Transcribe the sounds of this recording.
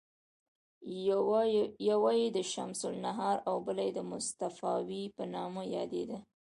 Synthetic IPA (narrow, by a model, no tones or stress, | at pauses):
jawajed̪əʃa̰msʊlnaɦɑɾawbəlajed̪əmʊst̪afɑwipənɑməjɑd̪ḛd̪a